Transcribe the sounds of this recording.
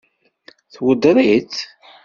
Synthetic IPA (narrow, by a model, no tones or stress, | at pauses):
θwəd̪ɾˤit͡s